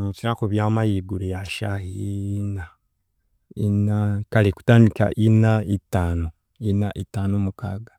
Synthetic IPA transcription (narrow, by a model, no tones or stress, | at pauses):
mut͡ʃiɾakoβjaːmajiɡuɾejaʃaina | inakaliku̥taːndika̰ʔinaitːaːno | inaʔitaːnomukaːɡḁ